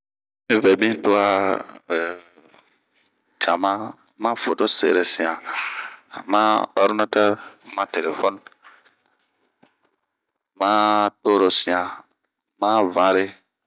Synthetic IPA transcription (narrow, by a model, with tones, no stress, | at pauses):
mĩ˦vɛ˨bĩ˦to˦a˦˨ | t͡ʃa˨mã˦ | mã˦fo˨to˦sḛ˨ɾe˨sĩ˨ã˨ | mã˦ɔ˦ɾi˦nã˦tɛ˦ɾmã˦te˨le˨fɔ˦n | mã˦to˦ɾo˨sĩ˨ã˨ | mã˦vã˦ɾe˦